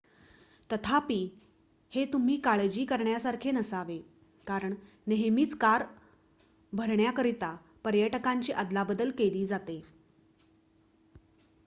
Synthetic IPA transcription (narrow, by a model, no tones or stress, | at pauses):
t̪ət̪ʰapiː | het̪um̤iːkaɭed͡ʑiːkəɾɳjasaɾkʰenəsaʋe | kaɾəɳ | neɦmiːt͡skaɾ | bʱəɾɳjakəɾit̪a | pəɾjəʈəkaɲt͡ɕiːʔəd̪labəd̪əlkeliːd͡zat̪e